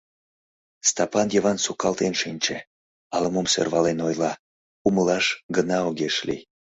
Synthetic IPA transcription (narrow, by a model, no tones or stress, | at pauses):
st̪ɑpɑnjəβɑnsukɑlt̪enʃinʲt͡ɕe | ɑləmomsø̰rβɑlenojlɑ | uməlɑʃɡənɑoɣeʃlḭj